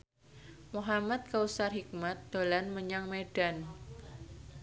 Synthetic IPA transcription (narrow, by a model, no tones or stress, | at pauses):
muɦamat̪̚kausarhik̚mat̪̚d̪̥o̤lanməɲaŋmeɖ̥an